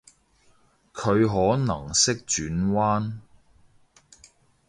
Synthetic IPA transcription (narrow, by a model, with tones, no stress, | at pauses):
kʰɵ˨˧ɥɦɔː˨˥nɐ˨˩ŋsɪ˥k̚t͡ʃyː˨˥nwaː˥n